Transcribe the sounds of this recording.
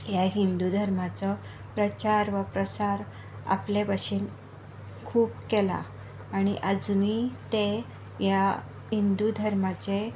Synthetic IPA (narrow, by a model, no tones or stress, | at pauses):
jaɦind̪ud̪ʱəɾmat͡sɔ | pɾət͡ɕaɾʋəpɾəsaɾ | a̰plepaɕiːn | kʰuːpkela̰ː | ɽ̃iʔəd͡zmit̪e | ja | ɦind̪ud̪ʱəɾmat͡ɕe